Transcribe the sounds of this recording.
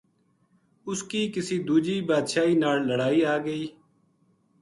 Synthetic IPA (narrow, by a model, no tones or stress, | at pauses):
ʊskiːkɪsiːd̪uːd͡ʒiːbaːd̪ʃaːiːnaːlləɽaːiːaːɡəiː